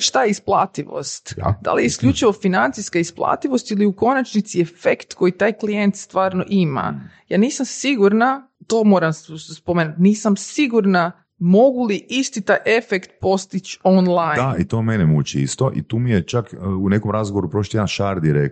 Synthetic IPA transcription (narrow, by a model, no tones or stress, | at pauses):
ʃt̪ajeisplˠa̰ːt̪iʋo̰st̪d̪̥a̰lijeiskʎut͡ʃiʋo̞finant̪siskaisplˠa̰ːt̪iʋo̞st̪iliuko̞nat͡ʃnit̪siefekt̪ko̞jit̪aːjklijent̪st̪ʋaːɾno̰ʔima̰ja̰ːniːsamsiɡuɾna | t̪omo̞ːɾamspomeːnut̪niːsamsiɡuɾna | mo̞ɡuliʔist̪it̪ajʔe̞fekt̪̚po̞st̪it͡ʃonlˠajd̪ait̪oːmenemut͡ʃiḭst̪oʔḭt̪uːmijet͡ʃakːunekomɾazɡoʋoɾupɾoʃojed̪anʃaɾd̪iɾḛk